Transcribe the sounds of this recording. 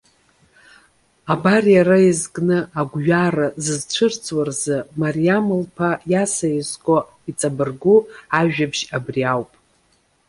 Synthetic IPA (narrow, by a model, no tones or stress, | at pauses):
abarjaɾaizɡʼnɨaɡʷɥarazɨzt͡ʃʷʰɨrt͡sʰʼwarzɨmariamɨlpʰajasajizkʷʼo | it͡sʼabɨrɡuaʒᶣabʒabriawpʼ